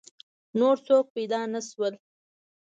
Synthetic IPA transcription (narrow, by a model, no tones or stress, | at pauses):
noɾsok̚pejd̪ɑnaswəl